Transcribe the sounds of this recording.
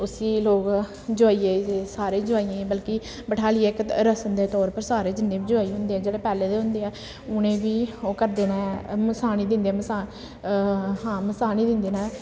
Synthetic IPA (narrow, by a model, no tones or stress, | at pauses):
ʊsiːloːɡ | d͡ʒʊaːiːeːsaːɾẽːd͡ʒoaːiãːbəlki | bəʈʰaːliːeːkɾəsənd̪eːt̪ɔːɾpəɾsaːɾeːd͡ʒɪnːẽːbiːd͡ʒoaːiɦʊ̃nd̪eːɛːd͡ʒeːɽeːpɛːleːd̪eːɦʊ̃nd̪eːɛː | ʊñẽːbiːoːkəɾd̪eːnaːməsaːniːd̪ɪ̃nd̪eːmsa | ɦãːməsaːniːd̪ɪnd̪eːnaː